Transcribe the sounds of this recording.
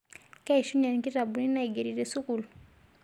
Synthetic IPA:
ka˦i˨ʃu˦na˨niki˦ta˨bu˨ni˦na˦i˨ɡe˨ɾi˨ɾe˨su˦ku˨lu˨

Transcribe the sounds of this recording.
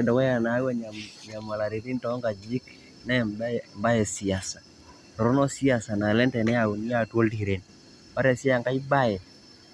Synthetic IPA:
dɔ˨kɛ˦ja˨na˨˦ɡwa˦ɲaɲa˨ma˨la˨ɾi˨ɾi˦ntɔ˨˦ŋɡa˨d͡ʒi˦k | nɛ˦bmba˦jɛ˨si˨a˨sḁ˨ | tɔ˨ɾɔ˦nɔ˦si˦a˨sa˨na˨lɛ˦ntɛ˨nɛ˦a˨u˨n˦ja˦˨two˦ldi˨ɾe˨n | pa˦ɾɛ˨si˦a˨ŋka˦i˦ba˦jɛ˨

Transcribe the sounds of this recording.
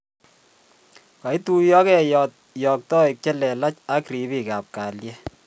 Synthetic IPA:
ka˨i˦tu˦jɔ˦kɛ˦jɔ˨t̚jɔ˨k̚tɔ˦i˨k̚t͡ʃɛ˦lɛ˨la˦t͡ʃa˦kri˨bi˦˨ka˨p̚kaː˨ljɛ˦

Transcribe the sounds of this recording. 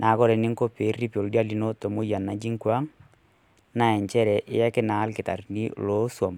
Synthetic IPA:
nʔa˨˦kɔ˦ɾɛ˨nɪ˦ŋ˦ko˦pe˨˦ri˦po˨ldi˦a˦li˦no˦to˨mo˦ja˨nːa˨d͡ʒi˦ŋkwa˦ŋ | na˦˨ɛ˨ɲt͡ʃɛ˦ɾɛ˨ʔɪ˦a˦kɪ˦naː˨˦lkɪ˨ta̰˨rni˦lo˦swa˨m

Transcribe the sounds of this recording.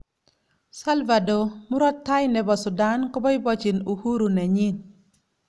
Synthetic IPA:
sa˦lva˨do˨mu˦ɾɔ˦tːa˦jnɛ˨bɔ˨sʊ˨da˦nkɔ˦bɔ˦i˦bɔ˦t͡ʃi˨nu˨hu˦ɾu˨nɛ˨ɲi˦n

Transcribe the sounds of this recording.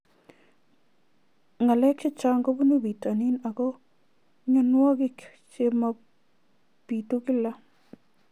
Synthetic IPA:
ŋa˨lɛ˦kʰe˦t͡ʃa˦ŋɡo˦bu˦nu˦bi˨ta˨ni˦na˨ɡɔ˦ | ɲɔ˨nwɔ˦ɡɪ˦k | t͡ʃe˦ma˧ | pi˨t̪u˦ɡɪ˦la˦

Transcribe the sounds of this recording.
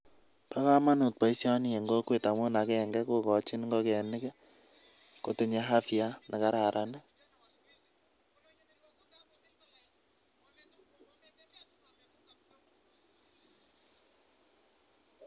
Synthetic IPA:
pa˦ka˦ma˦nu˨t̚pa˨i˦sjɔ˦ni˦e˨ŋɡo˦kwe˦ta˨mʊ˦na˨kɛ˨ŋɡɛ˦ko˦kɔ˨t͡ʃi˦nŋɡo˦kɛ˨nɪ˦kɛ˦ | ko˨te˨ɲe˦ɦa˦fja˦na˨ka˨˦ɾa˨ɾʔa˨nɛ˦

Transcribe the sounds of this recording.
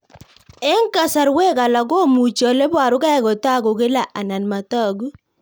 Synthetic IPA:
ɛ˦ŋka˨sa˨ɾwe˦ka˨la˨ɡo˦mu˨t͡ʃɔ˨le˦bwa˨ɾʊ˦ka˦ɡɔ˨ta˦˨ɡo˨ɡe˦la˨ʔa˨na˨nma˨tɔ˦˨ɡu˦

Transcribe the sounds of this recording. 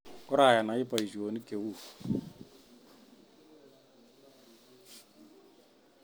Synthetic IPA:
kʊ˦ɾa˨ja˨na˨ɪ˦pa˨i˨si˨o˨ni˦ke˨wu˦˨

